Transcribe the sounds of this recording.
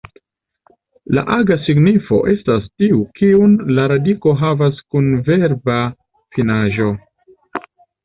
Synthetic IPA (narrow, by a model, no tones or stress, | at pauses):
la̰ʔaɡasiɡnifo̞̰ʔe̞stastiukiunlaɾadiko̞ɦavaskunve̞ɾba | finaʒo̞